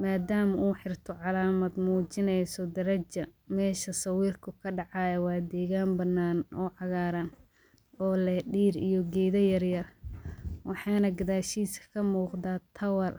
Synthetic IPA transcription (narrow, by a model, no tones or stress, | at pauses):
maːd̪aːmɐʔuːħɪrt̪ʰɔʕɑlaːmɐd̪muːt͡ʃɪnɛjsɔd̪ɐɾɐt͡ʃɐmɛːʃɐsɐwiːrkʰʊkʰɐɖɑʕɑjɛwɑːd̪ɛːɣaːnbɐnːaːnʔɔːʕɑɣaːɾɐn | ɔːlɛɖiːɾijɔɡɛːðɐjɐrjɐr | wɑħɑːnɐɡɐðaːʃiːskkʰɐmuːqd̪aːt̪ʰɐwɐr